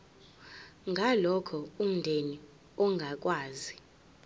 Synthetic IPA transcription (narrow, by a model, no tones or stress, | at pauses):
ŋɡʱalɔkʰɔum̩ndʱeni | ɔŋɡʱak̬ʼwaːzi